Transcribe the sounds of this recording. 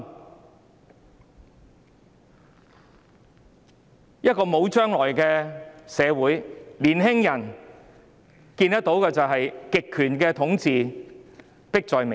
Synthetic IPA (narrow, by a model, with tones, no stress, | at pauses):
jɐ˥t̚kɔː˧mo˨˧wt͡ʃœː˥ŋlɔː˨˩jkɛː˧sɛː˨˧wuː˨˥jliː˨˩nɦɪ˥ŋjɐ˨˩n | kiː˧nt̪ɐ˥t̚t̪o˨˥wkɛː˧t͡sɐ˨wɦɐ˨jkɪ˨kʰːyː˨˩nkɛː˧t̪ʰʊ˨˥ŋt͡siː˨˧ | pɪ˥k̚t͡sɔː˨jme˨